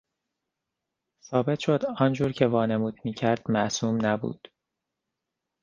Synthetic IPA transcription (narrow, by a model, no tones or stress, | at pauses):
sɒːbe̞t̪ʰʃo̞d̪ɒːnd͡ʒuːɾcʰe̞vɒːnemuːd̪̥miːcʰæɾd̪̥mæʔsuːmnæbṵːd̪̥